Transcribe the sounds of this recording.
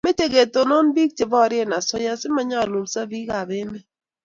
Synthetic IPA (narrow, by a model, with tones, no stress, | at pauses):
me˦te˨ɡe˨t̪o˨nɔ˦nbi˦k̚t͡ʃɪ˨bɔ˦˨ɾɪ˦ɛ˦na˨sɔ˦ja˦sɪ˦ma˦ɲa˦˨lu˨lsa˦bi˦ka˨bɪ˦mɪ˦